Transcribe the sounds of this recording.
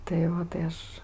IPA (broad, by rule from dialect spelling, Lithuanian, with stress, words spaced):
tɐɪ ˈoː tɐɪ ˈɐʃ